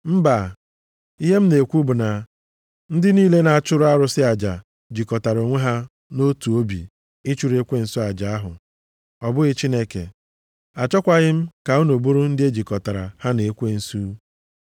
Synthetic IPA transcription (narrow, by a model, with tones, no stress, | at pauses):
m̩˦ba˨ | i˦ɦe˦m̩˦ne˨kʷu˦bʊ˨na˨ | n̩˦dɪ˦niː˦le˦na˨a˨t͡ʃʊ˦ɾʊ˦a˦ɾʊ˦sɪ˦a˨d͡ʒa˨ | d͡ʒi˨kɔ˨ta˨ɾo˨ŋʷe˦ɦa˦ | no˦tu˨o˦bḭ˨ | ɪ˦t͡ʃu˨ɾe˦kʷe˦n̩˨sɔ˦a˨d͡ʒa˨a˦ɦʊ̰˨ | ɔ˨bʊ˦ɣɪ˦t͡ʃi˦ne˦kḛ˨ | a˨t͡ʃɔ˦kʷa˦ɣɪ˦m̩˦ka˨u˦no˨bu˦ɾu˦n̩˦dɪ˦e˦d͡ʒi˨kɔ˨ta˨ɾa̰˨ha˦ne˨e˦kʷe˦n̩˨su˦